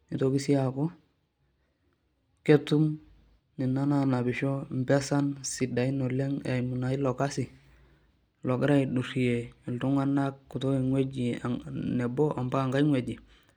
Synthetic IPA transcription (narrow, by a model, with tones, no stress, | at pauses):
i˨to˦ɡi˦si˦a˨ku˦ | ke˦tu˦m | ni˨na˦na˨na˨bɪ˨ʃɔ˦m˨bɛ˦sa˦nsi˨da˨i˦nɔ˨lɛ˦ŋa˨mu˨na˨i˦lɔ˨ka˦si˨ | lɔ˨ɡɾa˦i˨du˨ɾi˨je˨i˨ltu˦ŋwa˦na˦kːu˨to˦i˨ŋwe˦d͡ʒi˨a̰˨nɛ˨bɔ˦ʔa˨mba˦˨ŋɡa˦ŋwe˨ɟi˨